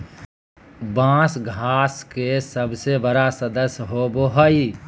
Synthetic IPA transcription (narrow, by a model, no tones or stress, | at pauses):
bãːsɡʱaːskesəbsebəɾasəd̪əsɦoboɦəi